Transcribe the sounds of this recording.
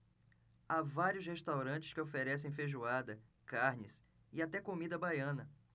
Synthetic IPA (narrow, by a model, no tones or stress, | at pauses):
avaɾiʊsheʃt̪awɾɐ̃t͡ʃɪskɪofeɾɛs̬ẽj̃feʒuad̪ɐ | kaɾnɪs | ɪat̪ɛkomid̪ɐbajɐ̃nɐ